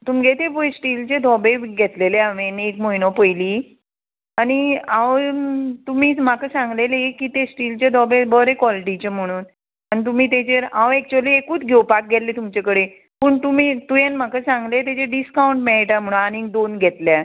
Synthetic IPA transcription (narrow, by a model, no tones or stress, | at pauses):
t̪umɡʱet̪eposʈiːlt͡ɕed̪ʱɔbeɡʱɛt̪leleaʋenekmoinɔpəjliː | añiãʋt̪um̤iːm̤akəsãŋɡlelekiːt̪esʈiːlt͡ɕed̪ʱɔbebəɾekʋɔliʈ̬it͡ɕem̤əɽ̃uːn | añit̪̬um̤iːt̪̬et͡ɕeɾãʋek̚t͡ɕoliekuːt͡s̪ɡʱewpak̚ɡʱɛllet̪umt͡ɕekəɽe | pəːɳt̪umiːt̪ujenm̤akəsãŋɡlet̪̬et͡ɕeɖiskauɳʈmeɭiʈam̤əɽ̃uanĩŋd̪onɡʱɛt̪lja